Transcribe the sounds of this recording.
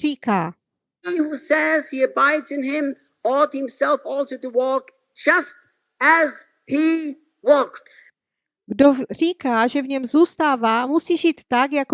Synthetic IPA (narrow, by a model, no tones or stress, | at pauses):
iːkaː | ihusɛz̥hiɨbaɪdzɨ̃nɪ̃m | ɔd̚hɪ̃msɛlˠfɔlˠsoʊtəwɔk | d͡ʒʌst̚ | ɨz | hi | wɔkt | ɡdor̝iːkaːʒɛvɲɛmzuːst̪aːvaːmusiːʒiːt̪ːakjak